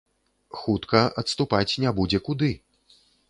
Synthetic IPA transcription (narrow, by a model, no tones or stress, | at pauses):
xut̪kɐɐt̪st̪upat͡sʲnʲɛbud͡zʲɛkud̪ɨ